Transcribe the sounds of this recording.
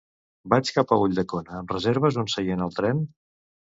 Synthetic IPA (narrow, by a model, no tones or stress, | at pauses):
bat͡ʃkapəuʎʲd̪əkonəːmrəzeɾβ̞əzonsəjenəlˠt̪ɾɛn